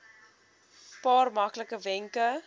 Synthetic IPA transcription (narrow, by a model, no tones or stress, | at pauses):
pɑːrmɐkləkəvɛŋkə